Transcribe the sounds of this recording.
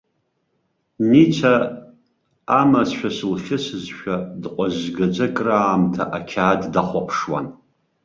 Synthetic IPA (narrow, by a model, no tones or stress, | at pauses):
nit͡ʃʷʰa | masʃᶣasɨlχʲɪsɨzʃᶣadqʷʼazɡad͡ʒʷakʼraːmtʰaʔakʲʰaːddaχʷapʰʂwa̰n